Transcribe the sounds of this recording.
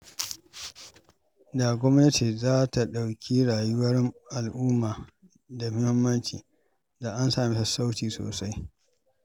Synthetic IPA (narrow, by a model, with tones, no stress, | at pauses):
da˨ɡʷɔ˦mnɐ˦ti˨zaː˦ta˨ɗa˨wkʲʰi˦ɽaː˨jʊ˦wɐ˦rʔa˨lʔuː˦maː˨ | da˨mʊ˦hɪ˦mːɐ˦nt͡ʃḭː˨ | da˨ʔa˦nsaː˨mi˦sa˨sa˦wtiː˨so̰ː˨sa˦j